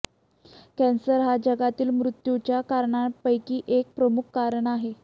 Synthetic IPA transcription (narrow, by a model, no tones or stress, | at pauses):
kɛ̃nsəɾɦad͡ʑəɡat̪iːlmɾut̪jut͡ɕjakaɾɳapəjkiːʔek̚pɾəmukʰkːaɾəɳaɦe